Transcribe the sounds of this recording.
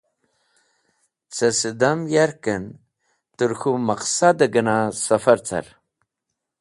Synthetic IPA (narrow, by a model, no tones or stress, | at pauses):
t͡sʰɐsid̪amjaɾkən | t̪uɾxumɐqsad̪əɡɐnasɐfɐɾt͡sa̰ɾ